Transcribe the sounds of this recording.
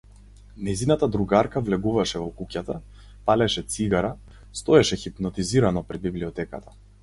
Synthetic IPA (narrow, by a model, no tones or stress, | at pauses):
nɛjzinat̪ad̪ɾuɡaɾkavlɛɡuvaʃɛvɔkucat̪a | palɛʃɛt̪siɡaɾa | st̪ɔɛʃɛxipnɔt̪iziɾanɔpɾɛd̪̚bibliɔt̪ɛka̰t̪ʰa